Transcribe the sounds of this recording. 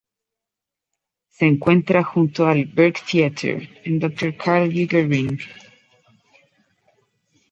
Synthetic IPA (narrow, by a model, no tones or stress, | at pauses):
se̞ːŋkwe̞nt̪ɾaxunt̪oalbeɾkt̪iat̪ʰḛɾẽnd̪ok̚t̪oɾkʰaɾljuɡeɹĩŋɡ